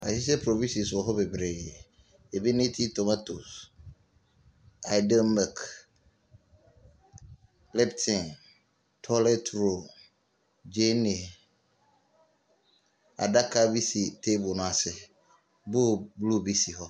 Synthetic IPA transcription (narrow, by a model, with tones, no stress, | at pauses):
a̰˨si˦s̬ɛ˦pʰɾo˨vĩ˦si˨sʊ˨ɔ˨ɦɔ˦bɛ˨bɾe˨jɛ˨ | e˨bi˦nẽ˦tʰi˦to˨ma˦to˨s | a˨ɪ˨da˦nma˨k | lɛ˦ptʰɪ̃˨n | tʰɔ˦lɛ˦tʰɾo˨ | d͡ʒe˦ne˨ | a̰˨da˦kʰa˦bi˦si˨tʰe˦bʊ˨nʊ̃˨a˨sɪ˦ | bo˦blu˦bi˦si˨ɦɔ˦